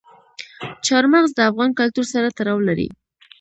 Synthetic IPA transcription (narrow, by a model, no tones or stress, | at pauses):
t͡ʃɑɾmaɣzd̪əafɣɑnkalt̪uɾsaɾat̪aɾɑwlaɾḭ